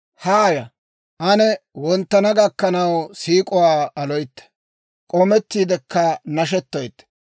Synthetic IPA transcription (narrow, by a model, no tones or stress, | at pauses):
haːjɐ | ʔɐnɛwɔnt̪ːɐnɐɡɐkːɐnɐwsiːkʼʊwaːɐlɔjt̪ːɐ̥ | kʼɔmɛt̪ːiːd̪ɛkːɐnɐʃ̬ɛt̪ːɔjt̪ː